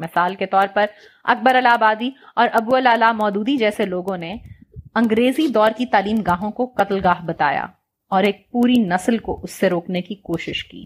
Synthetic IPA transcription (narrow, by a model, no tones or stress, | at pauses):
mɪsaːlket̪ɔːɾpɐɾ | ɐ̰k̚bəɾɐlaːbaːd̪iɔːɾʔɐbuɐlaːlamɔːd̪uːd̪id͡ʒɛːseloːɡõneɐ̃ŋɡɾeːzid̪ɔːɾkit̪aːliːmɡaːɦõkoqɐt̪lɡaːɦbɐt̪a̰ːja̰ | ɔːɾeːk̚puːɾinɐslko̰ʔʊsːeɾoːknekikoːʃɪʃkḭː